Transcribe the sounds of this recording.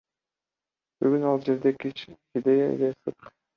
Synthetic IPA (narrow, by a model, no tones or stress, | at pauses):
b̥yɡynɑlˠd͡ʒe̞ɾd̪ekit͡ʃkʲid̪ʲejaḭlesɯt̪